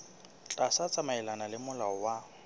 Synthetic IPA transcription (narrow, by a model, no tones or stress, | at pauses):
t͡ɬʼasat͡sʼamaɛlanalɪmʊlaɔwa